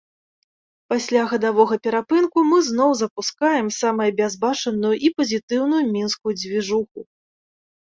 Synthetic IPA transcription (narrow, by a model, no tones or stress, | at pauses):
pasʲlʲaɣɐd̪avɔɣɐpʲɛɾapɨnkumɨznɔwzɐpuskajɛmsamɐjɐbʲazbat͡ʂɐnujuʔipɐzʲit̪ɨwnujumʲinskujud͡zʲvʲiʐuxu